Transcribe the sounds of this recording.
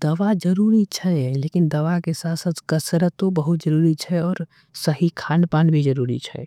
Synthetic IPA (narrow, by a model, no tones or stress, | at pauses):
d̪̥ɐʋad͡ʒəɾuːɾit͡ʃʰɛleːkɪnd̪ɐʋakesaːsət̪ʰkəsɾət̪obəɦʊt̪̚d͡ʒəɾuːɾit͡ʃʰɛɔːɾ | səɦikʰaːnpaːnbʱid͡ʒəɾuːɾḭt͡ʃʰɛ̰ː